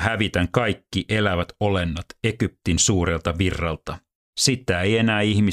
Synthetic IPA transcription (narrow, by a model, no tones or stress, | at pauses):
hæʋit̪æŋkɑjkːiʔe̞læʋæt̪olenːɑt̪ekyp̚t̪insuːɾe̞lt̪ɑʋirːɑlt̪ɑ | sit̪æejenæːihmi